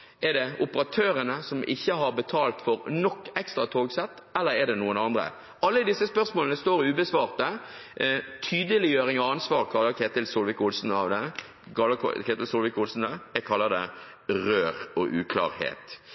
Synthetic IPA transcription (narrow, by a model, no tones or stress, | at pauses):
ʔɛʁɖ̪ɛʊpəɾɑt̪ʰøːɾənəsɔmʔɪ̰çːəɦɑɾbət̪ʰɑːlt̪fɔɾnɔkːɛkst̪ɾɑt̪ʰoːɡsɛt̪ː | ɛlːəɾɛɖ̪ɛnuːənɑnd̪ɾə̰ | ɑlːəd̪ɪsːəspœʁsmoːlənəst̪oːɾʉːbəsʋɑːɾt̪ə | t̪ʰyːd̪əlɪjøːɾɪŋɔɑnsʋɑːʁkʰɑlːəɾkʰeːt̪ɪlsulʋɪkʊlsn̩ɑʋd̪ɛ̰ | kʰeːt̪ɪlsulʋɪkʊlsn̩d̪ɛjɛɡkʰɑlːəd̪ɛ | ɾøːɾɔʔʉːkʰlɑ̰ːɾhḛːt̪